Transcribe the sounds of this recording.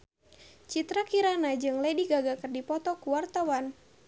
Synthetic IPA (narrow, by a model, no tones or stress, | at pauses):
t͡ʃit̪ɾakiɾanad͡ʒɨŋlɛdiɡaɡakərdipɔt̪ɔkuwart̪awan